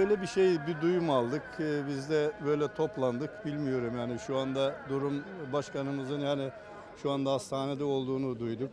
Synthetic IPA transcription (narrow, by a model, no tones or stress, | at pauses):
bøjlʲɛbiʃe̞jbid̪ujumalˠd̪ɯkɯbizd̪ɛbø̞jlʲɛt̪ʰo̞plˠand̪ɯkbilʲmijo̞ɾumhaniʃuand̪ad̪uɾumbaʃkanɯmɯzɯnhanɪ | ʃuand̪aast̪ʰaːnɛd̪ɛo̞lˠd̪uːnud̪ujd̪uk